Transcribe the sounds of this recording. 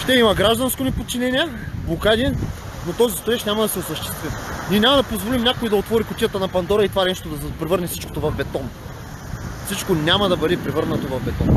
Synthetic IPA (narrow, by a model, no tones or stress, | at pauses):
ʃt̪ɛimɐɡɾaʒd̪ɐnskonɛpot̪̚t͡ʃinɛnʲiɛ | blˠokad̪iɛ | not̪ɔzist̪oɾɛʃnʲamɐd̪ɐsɛosɐʃt̪ɛ̥st̪vimniɛnʲamɐd̪ɐpozvolimnʲakoid̪ɐot̪vɔɾikʊt̪ijət̪ɐnɐpɐnd̪ɔɾɐit̪ovaɛnɛʃt̪od̪ɐspɾɛvəɾnɛfsi̥t͡ʃko̥t̪ovɐvbɛt̪ɔn | fsit͡ʃkonʲamɐd̪ɐbɐɾɛpɾɛvɤɾnɐt̪ovɐvbɛt̪ɔ̰n